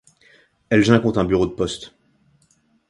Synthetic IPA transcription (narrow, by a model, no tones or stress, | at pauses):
ɛlʒɛ̃kɔ̃t̪ɛ̃byʁod̪əpɔst̪